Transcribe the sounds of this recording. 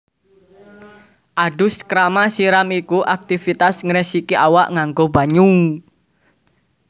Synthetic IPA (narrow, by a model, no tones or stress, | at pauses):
ʔaɖʊskɾamasiɾamikuʔak̚t̪ifit̪asŋɾəsikiʔawaʔŋaŋɡoba̤ɲu